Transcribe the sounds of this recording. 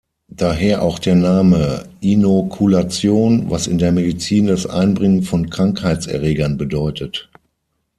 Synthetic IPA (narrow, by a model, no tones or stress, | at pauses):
d̥aːɦeːɐʔaʊxd̥eːɐnaːməʔinokʰulat͡sjoːnva̰sɪ̰ndeːɐmedit͡siːndasʔa̰ɪnbʁɪŋənfɔnkʁ̥aŋkhaɪt͡sɛ̰ɐʁeːɡɐnbədɔʏtʰət